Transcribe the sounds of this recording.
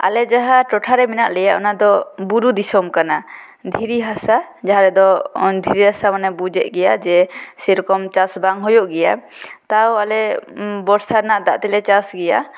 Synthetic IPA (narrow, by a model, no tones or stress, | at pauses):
a̰lɛd͡ʒaɦaʈɔʈʰaɾɛmɛnaʔlɛjaʔɔnad̪ɔbuɾud̪isɔmkana | d̪ʱiɾiɦasa | d͡ʒaɦaɾɛd̪ɔnd̪ʱiɾiɦasamanɛbud͡ʒɛʔɡɛjad͡ʒɛsɛɾɔkɔmt͡ʃasbaŋɦɔjɔʔɡɛja | t̪awalɛbɔɾsaɾnaʔd̪aʔt̪ɛlɛt͡ʃasɡɛja̰